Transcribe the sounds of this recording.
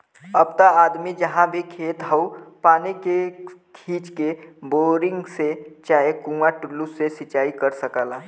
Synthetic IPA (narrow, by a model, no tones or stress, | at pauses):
əbt̪aaːd̪mid͡ʒəɦãbʱikʰeːt̪ɦəupaːnikekʰiːd͡ʒkeboːɾɪ̃ŋɡset͡ʃaːɦekũaʈulːusesɪt͡ʃaːikəɾsəkəlaː